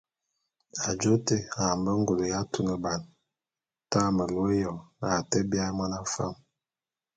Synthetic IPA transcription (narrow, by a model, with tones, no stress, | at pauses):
a˨d͡ʒo˦te˦a˨m˨bə˦ŋ˦ɡu˨lo˨ja˦tu˦nə˨ba˨n | ta˦˨mə˨lo˦jɔ˨a˨te˦bja˦ma˦na˦fa̰˦˨m